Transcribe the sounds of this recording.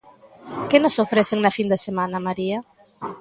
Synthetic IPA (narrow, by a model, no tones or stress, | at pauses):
kɪnosofɾeθeŋnɐfind̪esemãnɐmaɾiɐ